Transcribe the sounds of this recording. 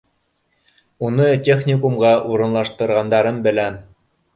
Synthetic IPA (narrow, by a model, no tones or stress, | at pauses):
unɤtʲeχnʲɪkumʁɑʔuɾɤ̆nlˠɑʃt̪ɤ̆ɾʁɑnd̪ɑɾɤmbɘ̆læn